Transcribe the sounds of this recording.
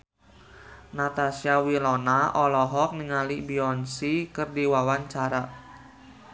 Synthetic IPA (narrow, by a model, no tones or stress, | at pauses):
nat̪asiawilɔnaʔɔlɔɦɔk̚niŋalibiɔnsikɨrdiwawaɲt͡ʃaɾa